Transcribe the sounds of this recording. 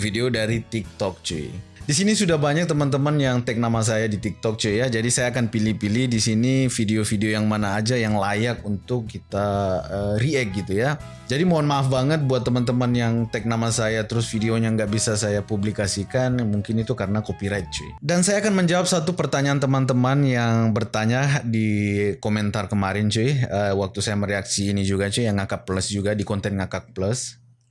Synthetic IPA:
fideodaɾit̪ik̚t̪ɔk̚t͡ʃṵidisinisudahbaɲak̚t̪əmant̪̬əmanjaŋt̪ɛk̚namas̬ajadit̪ik̚t̪ɔk̚t͡ʃujad͡ʒadisajaːkanpilipilihdisinifideofideojaŋmanaːd͡ʒajaŋlajak̚unt̪ʊkːit̪aəriɛk̚ɡit̪uja | d͡ʒadimoanmaafbaŋət̪̚buat̪ːəmant̪əmanjaŋt̪ɛk̚namasajat̪əɾʊsfideoɲaŋɡaʔbisasajapublikasikanmuŋkɪnit̪ukaɾənakopiɾat̪̚t͡ʃuɪ̰dansajaːkanməɲd͡ʒawap̚sat̪upərt̪aɲaːnt̪əmant̪əmanjaŋbərt̪aɲadikomɛnt̪arkəmaɾɪnt͡ʃuɪəwak̚t̪usajaməɾeaksiːnid͡ʒuɡat͡ʃujaŋːakapləsd͡ʒuɡadikɔnt̪ɛnŋakak̚pləs

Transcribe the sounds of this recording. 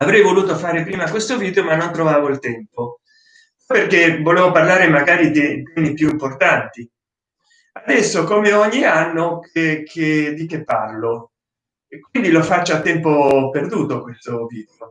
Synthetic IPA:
avɾɛjvoluːt̪ofaːɾepɾiːmakwest̪oviːd̪eomanːont̪ɾovaːvoilt̪ɛmpo | perkevoleːvoparlaːɾemaɡaːɾid̪it̪ɛmipjuimport̪ant̪i | ad̪ɛsːokomeɔɲːianːokekʰed̪ikepːa̰rlo | ekːwind̪ilofat͡ʃːat̪ːɛmpoperd̪uːt̪okwest̪oviːd̪eo

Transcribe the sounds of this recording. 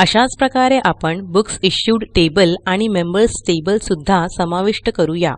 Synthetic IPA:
əɕat͡spɾəkaɾeʔapəɳbuksiɕjuɽʈebəlaɽ̃imembəɾsʈebəlsud̪ʱːasəmaʋiʂʈəkəɾuja̰

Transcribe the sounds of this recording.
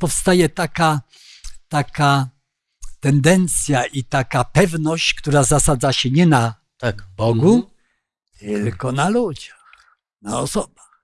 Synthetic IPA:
pɔfst̪ajɛt̪aka | t̪aka | t̪ɛnd̪ɛnt̪sʲjaʔit̪akapɛvnɔɕt͡ɕkt̪uɾazasad̪zaɕɛɲɛna | t̪akbɔɡu | t̪ɘlkɔnalud͡ʑax | naɔsɔbax

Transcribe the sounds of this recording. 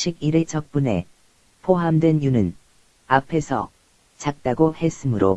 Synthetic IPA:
ɕʰiɡiɾet͡ɕʌk̚p͈une̞̰ | pʰoɦamdwe̞njunɯn | apʰe̞sʰʌ̰ | t͡ɕak̚t͈aɡohe̞s͈ɯmɯɾo̰

